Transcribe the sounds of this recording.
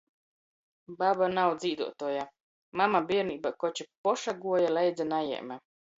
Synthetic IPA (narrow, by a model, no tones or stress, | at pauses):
babanawd̪zʲiːd̪ṵɔt̪uɔja | mamabiɛɾniːbakɔt͡ɕipɔʃaɡuɔjalɛjd̪zanajɛ̰ːmʲɛ